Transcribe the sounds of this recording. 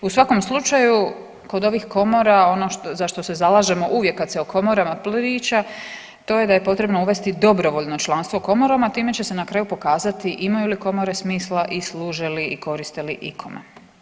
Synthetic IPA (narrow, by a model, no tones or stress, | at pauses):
usʋako̞mslˠut͡ʃaju | ko̞d̪o̞ʋixko̞mo̞ɾao̞no̞ʃt̪ozaʃt̪o̞se̞zalaːʒe̞mo̞ʔuʋje̞kːat̪seokʰo̞mo̞ɾamaplɾiːt͡ʃa | t̪o̞ːje̞d̪aje̞po̞t̪ɾe̞bno̞uʋe̞st̪id̪o̞bɾo̞ʋo̞ʎno̞t͡ʃlˠanst̪ʋo̞ko̞moɾomat̪iːme̞t͡ɕe̞se̞nakɾaːjupo̞kaːzat̪iʔimajuliko̞mo̞ɾe̞smiːslaʔisluːʒeliiko̞ɾist̪e̞liʔikʰo̞mḛ